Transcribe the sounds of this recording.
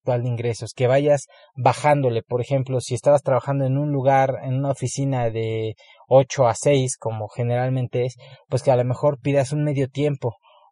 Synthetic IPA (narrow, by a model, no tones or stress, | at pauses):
t̪wald̪eiŋɡɾe̞so̞ske̞βaʝaz | βaxand̪o̞le̞po̞ɾexe̞mplo̞sie̞st̪aβast̪ɾaβaxand̪oenũnluɣaɾenũnaofisinaðe̞ | o̞t͡ʃo̞ase̞jsko̞mo̞xe̞ne̞ɾalmẽnt̪e̞espwe̞skealome̞xo̞ɾpiðasunme̞ðjo̞t̪je̞mpo̞